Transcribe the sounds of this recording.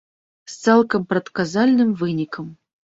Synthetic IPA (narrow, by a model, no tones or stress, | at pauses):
st̪sɛlˠkɐmpɾɐt̪kazalʲnɨmvɨnʲikɐm